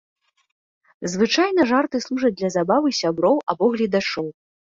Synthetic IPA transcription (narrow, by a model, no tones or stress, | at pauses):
zvɨt͡ʂajnɐʐart̪ɨslˠuʐɐd̪lʲɐzabavɨsʲabɾɔwʔabɔɣlʲid̪at͡ʂɔw